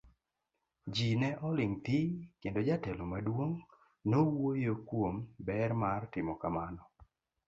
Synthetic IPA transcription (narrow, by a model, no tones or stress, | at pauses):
d͡ʒinɛʔɔlɪŋt̪ikendod͡ʒatɛlomadwoŋ | nowojokwombɛɾmartɪmɔkamanɔ